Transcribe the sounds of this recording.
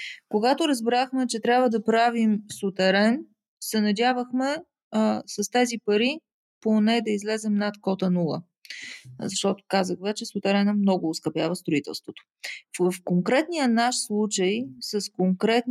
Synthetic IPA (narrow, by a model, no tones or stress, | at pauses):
koɡat̪ʊɾəzbɾaxmɛt͡ʃɛt̪ɾʲjabvəd̪ɐpɾavimsʊt̪ɛɾɛn | sɛnɐdʲavəxmɛ | səst̪ɛzipɐɾi | ponɛd̪ɐizlɛzɛmnat̪kɔt̪ənulˠə̰ | zɐʃt̪ɔt̪ʊ̥kazəxvɛt͡ʃɛsʊt̪ɛɾɛnəmnɔɡʊːskɐpjavəst̪ɾʊit̪ɛ̰lˠst̪vot̪o̥ | vəfkoŋkɾɛt̪nijənaʃslˠut͡ʃəjsɐskoŋkɾɛt̪